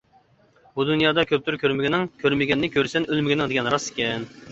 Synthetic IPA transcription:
bud̪unjɑːd̪ɑkʲʰøp̚t̪yɾkʲʰøɾmɪɡʲinɪŋkʲʰøɾmɪɡʲɛnːɪkʲʰøɾsɛnʔølmɪɡʲinɪŋd̪eɡʲɛnɾɑsɪ̥kʲʰɛn

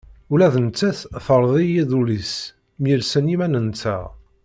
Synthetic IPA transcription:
ulæðənt͡sːæθfəɾˤðˤijiðulis | mjilsənimænənt͡sːæ̰

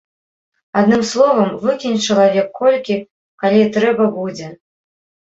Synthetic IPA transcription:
ad̪nɨmslˠɔvɐmvɨkʲinʲt͡ʂɐlˠavʲɛkːɔlʲkʲi | kalʲit̪ɾɛbɐbud͡zʲɛ

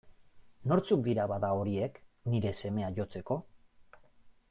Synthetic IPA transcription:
no̞ɾt͡suk̚d̪iɾaβaðao̞ɾie̞kniɾe̞se̞me̞aʝo̞t͡se̞ko̞

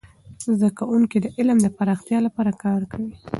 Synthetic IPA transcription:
zd̪akawuŋkid̪əʔɪlmd̪əpaɾɑxt̪jɑlapɑɾakɑɾkʰawi

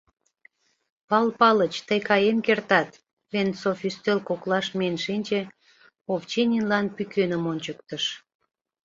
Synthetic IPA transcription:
pɑlpɑlət͡ɕt̪əjkɑjemkert̪ɑt̪ | βensofyst̪ølkoklɑʃmenʲʃinʲt͡ɕe | oft͡ɕenʲinlɑnpykønəmonʲt͡ɕək̚t̪əʃ

